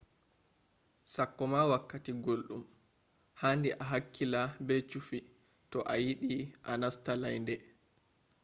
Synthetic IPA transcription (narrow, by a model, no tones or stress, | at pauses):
sakːɔmawakːatiɡolɗṵm | handiʔaɦakːilabɛt͡ʃufi | tɔʔajiɗiʔanastalajndɛ